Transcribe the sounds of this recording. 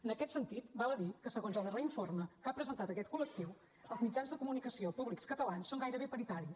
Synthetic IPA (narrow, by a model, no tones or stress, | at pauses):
ənəkɛt̪sənt̪it̪baləðikəsəɣonzalˠərəiɱforməkapɾəzənt̪at̪əkɛt̪̚kulək̚t̪iw | əlˠzmid͡ʒanzðəkumunikəsiopuβlikskət̪əlansːoŋɡajɾəβepəɾit̪aɾis